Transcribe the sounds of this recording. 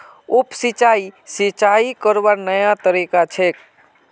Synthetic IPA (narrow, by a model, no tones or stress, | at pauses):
upsit͡ʃaisit͡ʃaikəɾbanəjat̪əɾikat͡ʃʰek